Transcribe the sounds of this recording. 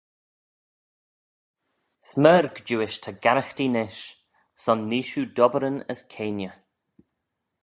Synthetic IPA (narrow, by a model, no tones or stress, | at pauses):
sməɾɡd͡ʒuːɪʃt̪ʰəɡaɾəxtinɪʃ | sɔnːiːʃud̪ɔbəɾənə̰skʰeːnjə